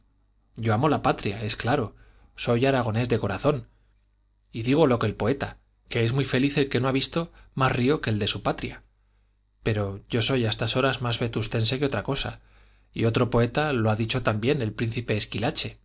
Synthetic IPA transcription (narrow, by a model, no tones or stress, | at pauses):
ɟ͡ʝo̞amo̞lapat̪ɾjae̞sklaɾo̞ | so̞jaɾaɣ̞o̞ne̞zðe̞ko̞ɾaθo̞n | iðiɣo̞lo̞ke̞lpo̞e̞t̪a | ke̞ezmwife̞liθe̞lke̞no̞aβist̪o̞masrio̞ke̞ːld̪e̞supat̪ɾja | pe̞ɾoɟ͡ʝo̞so̞jaest̪aso̞ɾazmazβe̞t̪ust̪e̞nse̞keo̞t̪ɾako̞sa̰ | io̞t̪ɾo̞po̞e̞t̪aloaðit͡ʃo̞t̪ambje̞ne̞lpɾin̟θipe̞ːskilat͡ʃe̞